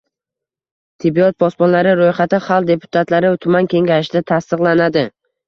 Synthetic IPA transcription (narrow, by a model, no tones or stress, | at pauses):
t̪ʰɪbːiɒt̪̚bɒspɒnlaɾɪɾojχat̪ɪχalˠd̪e̞pʰʊ̥t̪ʰat̪laɾɪt̪ʰʊmankʲʰe̞ŋɡʲaɪʃɪd̪at̪ʰast̪ɨqlˠanad̪ɪ